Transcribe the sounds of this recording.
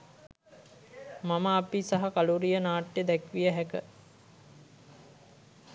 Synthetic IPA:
maməːpisaɦakaluɾijənaːʈjed̪ækʋijəɦækə

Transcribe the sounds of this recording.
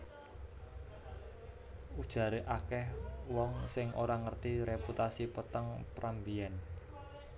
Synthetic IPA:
ud̥ʒ̥ä̤ɾeʔakɛhwɔŋsɪŋʔoɾaŋərt̪iɾeput̪asipət̪əŋpɾʔambiɛn

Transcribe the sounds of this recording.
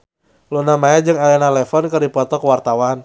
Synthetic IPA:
lunamajad͡ʒɨŋalɛnalɛfɔnkɨrdipɔt̪ɔkəwart̪awan

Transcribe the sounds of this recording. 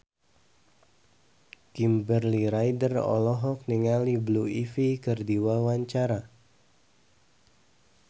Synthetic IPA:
kimbərliɾajdərɔ̰lɔɦɔk̚niŋalibluifikərdiwawaɲt͡ʃaɾa

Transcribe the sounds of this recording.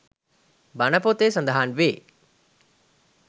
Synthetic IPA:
bɐnɐpot̪eːsɐnd̪ɐɦaːnʋeː

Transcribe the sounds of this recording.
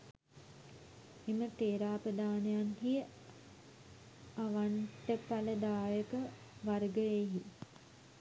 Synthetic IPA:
emət̪eːɾaːpəd̪aːnejanhijə | aʋaɳʈəpaləd̪aːjəkə | ʋaɾɡəeɦi

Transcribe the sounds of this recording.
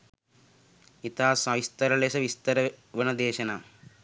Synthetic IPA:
it̪aːsɐʋist̪ɐɾɐleːsɐʋist̪ɐɾɐʋɐnɐd̪eːʃɐna

